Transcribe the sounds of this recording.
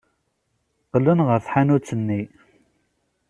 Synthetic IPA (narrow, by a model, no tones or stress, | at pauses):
qəlːənʁəɾθħanut͡sːənːi